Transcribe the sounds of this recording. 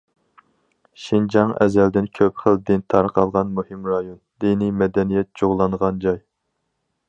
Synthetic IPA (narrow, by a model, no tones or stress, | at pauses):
ʃind͡ʒɑŋɛ̰zɛld̪ɪnkʲʰøpχəld̪ɪnt̪ʰɑɾqʰɑlˠʁɑnmuhimɾɑjond̪̥inimɛd̪ɛnijɛt̪̚d͡ʒoʁlˠːɑnʁɑnd͡ʒɑj